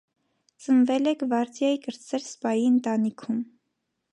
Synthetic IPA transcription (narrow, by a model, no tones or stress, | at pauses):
t͡sənvɛlɛkʰvɑɾt͡sjɛikəɾt͡sʰːɛɾspɑjiənt̪ɑnikʰum